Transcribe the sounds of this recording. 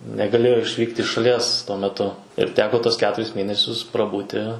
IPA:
nʲɛɡɐˈlʲeːjoː ɪʃʲˈʋʲiːktʲ ɪʃ ʃɐˈlʲiɛs tuɔ mʲɛˈtʊ ɪr ˈtʲæːkoː ˈtuɔs ˈkʲæːtʊrʲɪs ˈmʲeːnʲɛsʲʊs prɐˈbuːtʲɪ

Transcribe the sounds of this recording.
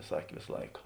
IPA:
ˈsɑːkʲeː ˈʋʲeːsɐ ˈlˠɐɪkɐ

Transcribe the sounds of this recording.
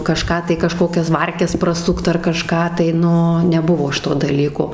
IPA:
kɐˈʃkɑː tɐɪ kɐˈʃkoːkʲɛs ˈʋɐrʲkʲɛs prɐˈsʊkt ɐr kɐˈʃkɑː tɐɪ ˈnʊ nʲɛˈbʊʋoː ˈʃʲɪtoː dɐˈlʲiːkoː

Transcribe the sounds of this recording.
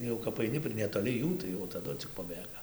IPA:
jɛʊ kɐp ɐɪˈnʲɪ pʲrʲɪ nʲɛtoːˈlʲɪ ˈjuː tɐɪ jɛʊ tɐˈdʊ t͡sʲɪk pɐˈbʲeːɡɐ

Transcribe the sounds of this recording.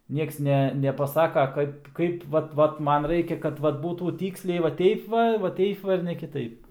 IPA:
ˈnʲiɛks ˈnʲɛ nʲɛpɐˈsɑːkɐ ˈkɐɪp ˈkɐɪp ˈʋɐt ˈʋɐt ˈmɐn ˈrɐɪkʲɛ kɐt ˈʋɐt ˈbuːtuː ˈtʲiːksʲlʲɛɪ ʋɐ ˈtʲɛɪp ʋɐ ʋɐ ˈtʲɛɪp ʋɐ ɪr nʲɛ kʲɪˈtɐɪp

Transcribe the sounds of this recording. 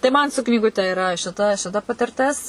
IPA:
tɐɪ ˈmɐn sʊ knʲiːɡʊˈtʲɛ ɪˈrɐ ʃʲɪˈtɐ ʃʲɪˈtɐ pɐtʲɪrʲˈtʲɪs

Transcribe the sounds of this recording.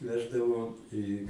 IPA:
ˈʋʲæːʒdɐʋoː iː

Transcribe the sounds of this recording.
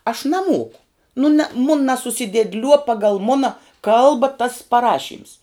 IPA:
ɐʃ nɐˈmoːkʊ nʊ nɐ mʊn nɐsʊsʲɪdʲeːdʲˈlʲuɔ ˈpɑːɡɐlˠ ˈmʊnɐ ˈkɐlˠbɐ tɐs pɐˈrɑːʃʲiːms

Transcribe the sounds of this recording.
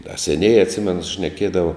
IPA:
dɐ sʲɛˈnʲeːjɛː ɐtʲˈsʲɪmʲɛnʊ ʃʲnʲɛˈkʲiɛdɐʋɐ

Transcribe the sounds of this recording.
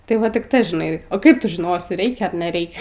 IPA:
tɐɪ ˈʋɐ tʲɪk ˈtɐ ʒʲɪˈnɐɪ oː ˈkɐɪp ˈtʊ ʒʲɪˈnoːsʲɪ ˈrʲɛɪkʲɛ ɐr nʲɛˈrʲɛɪkʲɛ

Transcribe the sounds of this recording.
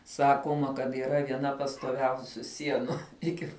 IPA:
ˈsɑːkoːmɐ kɐt iːˈrɐ ʋʲiɛˈnɐ pɐstoːˈʋʲɛʊsʲuː ˈsʲiɛnʊ ˈɪkʲɪ

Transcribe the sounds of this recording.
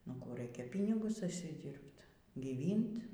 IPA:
nʊ ˈkuː ˈrɐɪkʲɛ ˈpʲiːnʲɪɡʊs ʊʃʲsʲɪˈdʲiːrpt ɡʲiːˈʋʲiːnt

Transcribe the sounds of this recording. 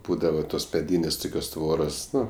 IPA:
ˈbuːdɐʋɐ toːs mʲɛˈdʲiːnʲeːsʲ ˈtʊkʲoːs ˈtʋoːroːs ˈnʊ

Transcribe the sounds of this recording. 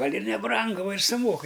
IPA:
ˈɡɐlʲ ɪr nʲɛˈbrɐŋɡʊ ˈʋɐ ɪr sʊˈmoːkɨ

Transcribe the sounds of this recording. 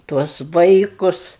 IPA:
ˈtuɔs ˈʋɐɪkʊs

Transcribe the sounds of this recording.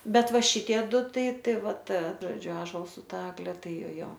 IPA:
ˈbʲɛt ˈʋɐ ˈʃʲɪtʲiɛ ˈdʊ ˈtɐɪ ˈtɐɪ ˈʋɐ ˈtɐ ˈʒoːd͡ʒʲʊ ɑːʒoːlˠs sʊ ˈtɐ ˈɑːɡlʲɛ ˈtɐɪ ˈjoː ˈjoː

